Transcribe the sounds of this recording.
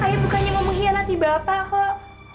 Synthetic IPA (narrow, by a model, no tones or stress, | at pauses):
ajabukanɲaməmuɦianant̪ibɾapakɔ